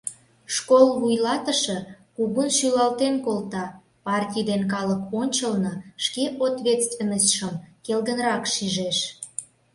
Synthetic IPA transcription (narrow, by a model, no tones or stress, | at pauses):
ʃkolβujlɑt̪əʃɤ̆kuɣunʃylɑlt̪enkolt̪ɑ | pɑrtʲijd̪enkɑləkonʲt͡ɕəlnɤʃkeʔot̪βʲet̪st̪venəsʃəmkelɣənɾɑkʃiʒeʃ